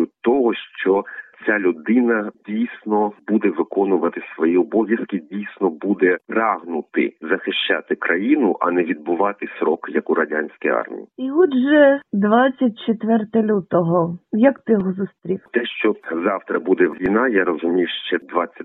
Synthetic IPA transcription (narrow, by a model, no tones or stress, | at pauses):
ʊt̪ɔɦɔʃt͡ʃɔt͡sʲalʲʊd̪ɪnɐdʲijsʲnɔbud̪ɛʋɪkɔnʊʋɐt̪ɪsʋɔjiɔbɔʋʲjɐskɪdʲijsʲnɔbud̪ɛprɑɦnʊt̪ɪ̰zɐxɪʃt͡ʃa̰t̪ɪkɾʔɐjinʊʔɐ̰nɛʋʲid̪̚bʊʋɑt̪ɪsɾɔkjɐkʊɾɐdʲanʲsʲkijɑ̰rmʲḭjiiɔd̪ʒɛd̪ʋɑt͡sʲːɐt̚ʲt͡ʃet̪ʋɛrt̪ɛlʲut̪ɔɦɔjɐkt̪ɪjɔɦɔzʊst̪ɾʲiwt̪ɛʃt͡ʃɔzɑwt̪ɾɐbud̪ɛʋʲinɑjaɾɔzʊmʲiwʃt͡ʃɛd̪ʋɑt͡sʲːɐ